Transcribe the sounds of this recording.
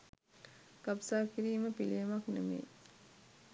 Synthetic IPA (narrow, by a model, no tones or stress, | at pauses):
kapsaːkiɾiːməpilijɐmaknemḛː